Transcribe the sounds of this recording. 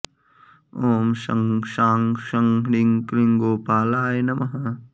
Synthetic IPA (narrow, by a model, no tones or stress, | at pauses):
oːmʃɐ̰ŋʃaːŋʃɐŋɦɽiŋkliŋɡoːpaːlaːjnɐmɐɦɐ